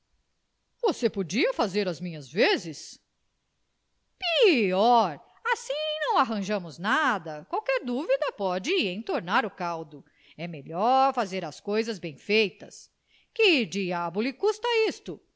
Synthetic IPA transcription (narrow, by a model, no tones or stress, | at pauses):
vosepod͡ʒiɐfazeɾɐzmĩɲɐzvezɪs | piɔɾ | asĩnɐ̃w̃aɦɐ̃ʒɐ̃mʊznad̪ɐkwawkɛɾd̪uvid̪ɐpɔd͡ʒɪẽj̃t̪oɾnaɾʊkawd̪ʊ | ɛmeʎɔɾfazeɾɐskojzɐzbẽj̃fejt̪ɐs | kɪd͡ʒiabʊlɪkust̪ɐist̪ʊ